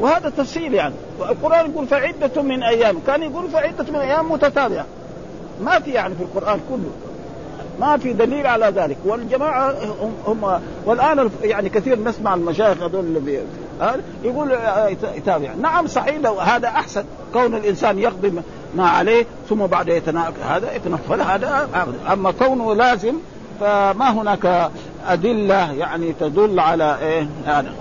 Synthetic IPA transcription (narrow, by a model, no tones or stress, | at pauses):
wɪhaːd̪at̪ɑfsˤiːljaʕni | walqʊɾʔaːnjaɡuːlfiʕɪd̪ːamːɪnʔajːaːmkaːnjaɡuːlfiʕɪd̪ːamɪnʔajːaːmːʊt̪at̪aːbɪʕa̰ | mafijaʕnifilqʊɾʔaːnkʊlːʊ̰ | mafid̪aliːlʕalaðaːlɪkwɪld͡ʒamaːʕahʊhʊmːa | walʔaːnajaʕnikaθiːɾnɪsmaʕalmaʃaːjɪxad̪oːlli | a | jaɡuːlt̪t̪aːbɪʕnaʕamsˤɑʕiːd̪awhaːd̪aʔaħsan | kawnalʔɪnsaːnjɑqd̪ˤi | maʕa̰leː | θʊmːabaʕd̪ajat̪anaha̰ːd̪ajat̪anafːɑlhaːd̪aʔabd̪ʔamːakawnulaːzɪm | famaɦʊnaːka | ʔad̪ɪlːajaʕnit̪ad̪ʊlːʕalaʔeːjaʕnḭ